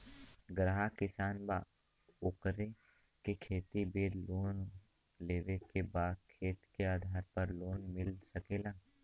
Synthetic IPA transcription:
ɡɾaɦakɪsaːnba̰ː | ʊkɾe | kekʰeːt̪ibeːɾloːn | leːʋekebaːkʰeːt̪keaːd̪ʱaːɾpɐɾloːnmɪlsəkeːlaː

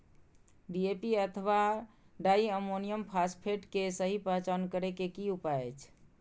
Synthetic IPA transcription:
ɖiepiət̪ʰəʋa | ɖaiəmonijəmpʰaspʰeʈkesəɦipəɦt͡ʃankəɾekekiupaət͡ʃʰ

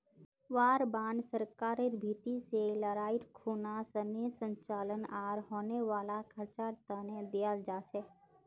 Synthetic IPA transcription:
ʋaːɾbãːnsəɾkaːɾeɾbʱit̪iseləɾaːiɾkʰuːnasənesə̃ɲt͡ʃaːlənaːɾɦoːneʋaːlakʰəɾt͡ʃaːɾt̪aned̪ijald͡ʒaːt͡ʃʰe

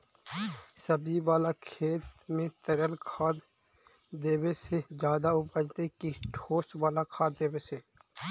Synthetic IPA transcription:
səbiʋaːlakʰeːt̪mẽt̪ɐɾəlkʰaːd̪ | d̪eːwesed͡ʒjaːd̪aʊpəd͡ʒt̪ekiʈʰoːsʋaːlakʰaːd̪d̪eːweseː

